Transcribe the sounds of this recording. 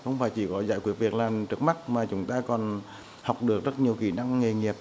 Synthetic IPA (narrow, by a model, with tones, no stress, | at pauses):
xə̰˧wŋ͡mfaː˧˩jt͡ɕi˧˩kɔ˨˦zaː˧˥jkwi˦˥ət̚vi˨˩ək̚laː˨˩mt͡ɕɨ˦˥k̚ma˦˥t̚maː˨˩t͡ɕʊ˨˦ŋ͡mt̪aː˧kɔ˨˩n | ha˨˩wk͡p̚ɗɨ˨˩ək̚zə˦˥t̚ɲi˨˩əwxḭ˧˩na˧ŋːe˨˩ŋi˨˩əp̚